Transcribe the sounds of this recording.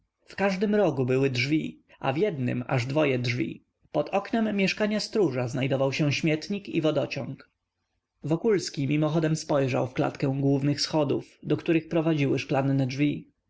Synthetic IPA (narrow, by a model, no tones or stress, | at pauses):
fkaʐd̪ɘmɾɔɡubɘwɘdʐvʲi | ʔa̰vʲjɛd̪nɘ̰ma̰ʐd̪vɔjɛdʐvʲḭ | pɔt̪ʰɔknɛmːjɛʂkaɲast̪ɾuʐaznajd̪ɔvawɕɛ̃ɕmʲjɛt̪ɲikḭvɔd̪ɔt͡ɕɔ̰̃ŋk | vɔkulskʲimʲimɔxɔd̪ɛmspɔjʐa̰wfkla̰t̪kɛ̃w̃ɡwuvnɘxsxɔd̪ufd̪ɔkt̪uɾɘxpɾɔvad͡ʑiwɘʂklanːɛdʐvʲi